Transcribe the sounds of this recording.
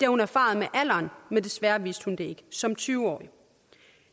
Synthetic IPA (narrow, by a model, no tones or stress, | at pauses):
d̥eɐhunæɐfɑ̰̈ð̞̩ˠmeʔæl̰ɐːnmend̥e̝sʋæɐʋisd̥hund̥e̝e̝ɡ̥əsɒ̽mt͡sʰyːʊɒ̰ːi